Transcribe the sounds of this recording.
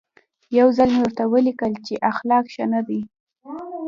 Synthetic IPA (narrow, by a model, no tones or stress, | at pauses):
jawzalmewəɾt̪awəlikəlt͡ʃeʔaxlɑkʃanad̪i